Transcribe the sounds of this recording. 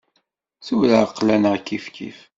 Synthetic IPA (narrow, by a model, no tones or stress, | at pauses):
suləəqːlænʁkːifkʰḭf